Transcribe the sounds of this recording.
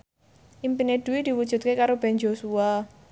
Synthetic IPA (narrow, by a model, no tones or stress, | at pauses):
ʔimpined̪̥ṳwid̪̥i̤wud̥ʒ̥ṳt̪̚kekaɾob̥ɛnd͡ʒosua